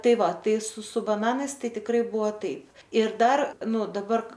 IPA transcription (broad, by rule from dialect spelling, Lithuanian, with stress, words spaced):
ˈtɐɪ ˈʋɐ ˈtɐɪ sʊ sʊ bɐˈnɑːnɐɪs ˈtɐɪ tʲɪkˈrɐɪ ˈbʊʋoː ˈtɐɪp ɪr ˈdɐr ˈnʊ dɐˈbɐr